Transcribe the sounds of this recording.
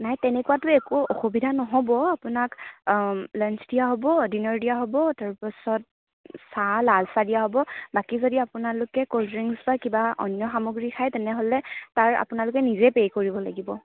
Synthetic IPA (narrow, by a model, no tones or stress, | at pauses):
najtɛnɛkuwatʊekuɔxubidʱanɔɦɔbɔapʊnak | lɛnt͡ʃdijaɦobɔdinɔɹdijaɦɔbɔtaɹpɔsɔt̚ | salalsadijaɦobɔbakizodiapʊnalʊkɛkoltɹiŋsbakibaʔɔ̰njɔxamoɡɹikʰajtɛnɛɦolɛtaɹa̰pʊnalʊkɛnizɛpejkoɹibɔlaɡibɔ